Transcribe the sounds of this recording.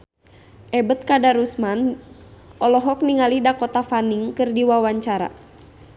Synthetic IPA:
ʔɛbət̪̚kadaɾusman | ʔɔlɔɦɔk̚niŋalidakɔt̪afaniŋkɨrdiwawaɲt͡ʃaɾa̰

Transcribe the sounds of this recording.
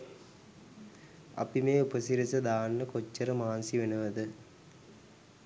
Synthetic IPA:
ɐ̰pimeːupəsiɾisɐd̪aːnːəkot͡ʃːəɾəmaːnsiʋenəʋəd̪ɨ

